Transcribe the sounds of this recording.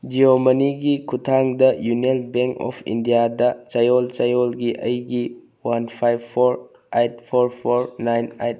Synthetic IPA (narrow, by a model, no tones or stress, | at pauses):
d͡ʒiomɐniɡikʰutʰaŋdɐjunelbeŋkɔ̰pʰḭndijadɐt͡ʃɐjɔlt͡ʃajolɡiʔəjɡi | wanpʰajbpʰːoɾ | ejt̚pʰoɾpʰoɾnajnejt̚